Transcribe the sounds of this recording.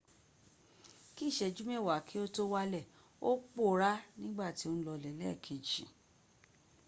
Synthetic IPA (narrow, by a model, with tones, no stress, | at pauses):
ki˦˨ʃɛ˧d͡ʒu˦mɛ˦˨wa˨kʰi˨˦o˦to˦wa˦lɛ˦˨ | o˦k͡po˦˨ɾa˦nĩ˦ɡ͡ba˦˨ti˨˦o˦ñ̩˦lɔ˧lɛ˨lɛ˦˨kʰe˨d͡ʒĩ˨